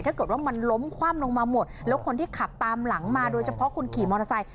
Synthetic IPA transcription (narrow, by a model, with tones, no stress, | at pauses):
j̪ʰaː˥˩kɤː˨˩t̪̚waː˥˩ma˧nlo˦˥mkʰwaː˥˩mlo˧ŋmaː˧mo˨˩t̪̚lɛː˦˥wkʰo˧nt̪ʰiː˥˩kʰa˨˩p̚t̪aː˧mla˩˦ŋmaː˧doː˧jt͡ɕʰa˧pʰɔ˦˥kʰu˧nkʰiː˨˩mɔː˧na˧sa˧j